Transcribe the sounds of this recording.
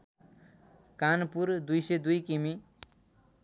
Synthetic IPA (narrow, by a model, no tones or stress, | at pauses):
kanpuɾd̪ujsed̪ujkimi